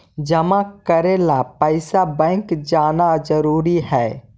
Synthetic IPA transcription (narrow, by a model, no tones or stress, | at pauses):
d͡ʒəmakəɾeːlapəɪsabɛ̃ːŋkd͡ʒaːnad͡ʒəɾuːɾiɦɛː